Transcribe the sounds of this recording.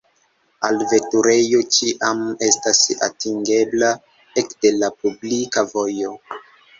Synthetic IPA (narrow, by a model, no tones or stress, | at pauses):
alve̞tuɾe̞jo̞t͡ʃiʔame̞stasa̰tiŋɡe̞bla | ekde̞lapublikavo̞jo̞